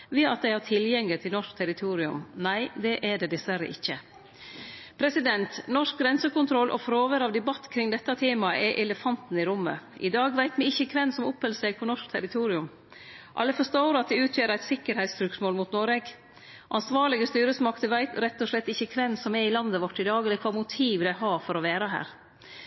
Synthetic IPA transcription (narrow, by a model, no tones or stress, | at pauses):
ʋɛːɑt̪̚d̪æɪhɑt̪ʰɪljɛŋlət̪ʰɪlnɔʂkt̪ʰæɾɪt̪ʰuːɾɪʉ̰mnæɪd̪ɛʔɛɖɛd̪ɪsʋæɾə̰ʔɪçːə | pʰɾɛsɪd̪ɛnt̪nɔʂk̚ɡɾɛnsəkʊnt̪ʰɾɔlʔɔ̰fɾoːʋəɾɑʋd̪ɛbɑt̪ːkʰɾɪŋd̪ɛt̪ːɑt̪ʰeːmɑəʔɛʔɛləfɑnt̪n̩ɪɾʊmːə̰ʔɪ̰d̪ɑːɡʋæɪt̪ʋɪɪçːəkʰʋɛnsɔmʊphəlseɡpʰɔnɔʂk̚t̪ʰæɾɪt̪ʰuːɾɪʉm | ʔɑ̰lːəfɔʂt̪oːɾɑt̪̚d̪ɛʉːt̪ʰjøːɾæɪt̪sɪkːəɾhæɪt̪st̪ɾʉksmoːlmuːt̪nɔɾeɡ | ʔɑnsʋɑːɾɭɪɡəst̪yːɾəsmɑkt̪əʋæɪt̪ɾɛt̪ːɔʂɭɛt̪ːɪçːəkʰʋɛnːsɔmɛɾɪlɑnd̪əʋɔʈːɪd̪ɑːɡəlɛkʰʋɑːmʊt̪ʰiːʋɪlæɪɦɑːfɔɾɔʋæːɾɑɦæ̰ːɾ